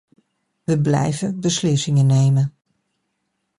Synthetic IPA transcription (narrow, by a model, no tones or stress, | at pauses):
ʋəblɛ̰jvəbəslɪsɪŋəneːmən